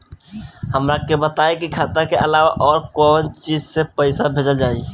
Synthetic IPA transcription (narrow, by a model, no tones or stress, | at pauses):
həmɾakebət̪aːekikʰaːt̪akeʔəlaːʋa̰ʔɔːɾkɔːnt͡ʃiːd͡ʒsepəɪsabʱeːd͡ʒəd͡ʒaːi